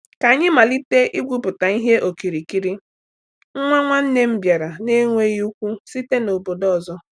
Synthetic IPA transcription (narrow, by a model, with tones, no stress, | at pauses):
ka˨ɲɪ˦ma˨li˦te˦ʔi˦ɡʷu˦pʊ˨ta˨i˦ɦe˦ʔo˨ki˨ɾi˨ki˦ɾi˦ | ŋ̩˦ŋʷa˦ŋʷa˦n̩˦ne˦m̩˦bja˨ɾa˨ne˦ŋʷe˦ji˦u˦kʷu˦si˦te˦no˨bo˨dɔ˦˨zɔ˦